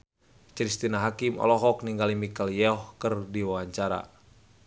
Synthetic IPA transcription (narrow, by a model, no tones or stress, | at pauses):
t͡ʃɾist̪inaɦakimɔ̰lɔɦɔkniŋɡalimikaljɛɔhkərdiwawaɲt͡ʃaɾa̰